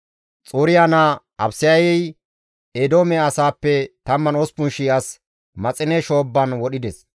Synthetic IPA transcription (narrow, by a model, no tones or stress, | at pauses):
t͡sʼuːɾɪjana | ɐbsɪjɐjɛj | ed̪oːmɛɐsaːpːɛt̪ɐmːɐnɔspʊnʃiːɐs | mɐt͡sʼɪnɛʃoːbːɐnwɔɗɪd̪ɛs